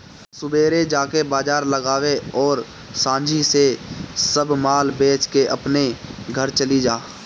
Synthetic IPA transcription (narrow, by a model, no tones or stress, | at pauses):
sʊbeːɾed͡ʒaːkebaːd͡ʒaːɾləɡaːweɔːɾ | sãːɲd͡ʒʱisesəbmaːlbeːt͡ʃkeʔəpneɡʱəɾt͡ʃəlid͡ʒaː